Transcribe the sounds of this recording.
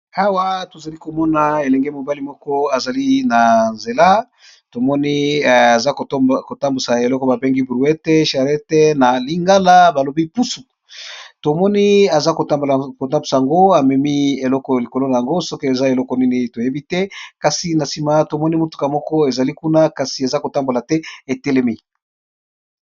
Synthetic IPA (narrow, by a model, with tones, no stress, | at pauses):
a˦wa˦to˨za˨li˦ko˨mɔ˦na˨e˨lɛ˨ŋɡɛ˦mo˨ba˦li˨mɔ˦kɔ˦a˨za˨li˦na˨nze˨la˦ | to˨mɔ˦ni˦a˨za˦kko˨ta˦mbu˨sa˨e˨lɔ˦kɔ˨˦ba˨be˦ŋɡi˦bɾu˨ɛ˦te˦ʃa˨ɾɛ˦te˦na˨li˦ŋɡa˦la˦ba˨lo˨bi˦pu˦su˨ | to˨mɔ˦ni˦a˨za˦ko˨ta˦bko˨ta˦mbu˨sa˨ja˨ŋɡo˦a˨mɛ˨mi˦e˨lɔ˦kɔ˨li˨ko˨lo˦na˨ja˨ŋɡo˦sɔ˦kɔ˦e˨za˦e˨lɔ˦kɔ˨ni˦ni˦to˨je˦bi˦tɛ˦ka˨si˨na˨si˨ma˨to˨mɔ˦ni˦mo˨tu̥˨ka˨mɔ˦kɔ˦e˨za˨li˦ku˦na˦ka˨si˨a˨za˦ko˨ta˦mbo˨la˨tɛ˦e˨tɛ˦le˦mi˦